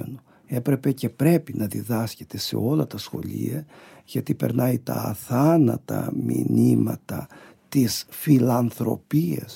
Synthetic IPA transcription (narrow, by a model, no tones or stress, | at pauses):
eno | e̞pɾe̞pe̞ce̞pɾe̞pinʔɐðiðɐsce̞̥t̪e̞se̞̰o̞lɐt̪ɐsxo̞̰lḭɐ | ʝɐt̪ipeɾnɐit̪ɐːθɐnɐt̪ɐminimɐt̪ɐ | t̪isfilɐnθɾo̞̰piɐ̰s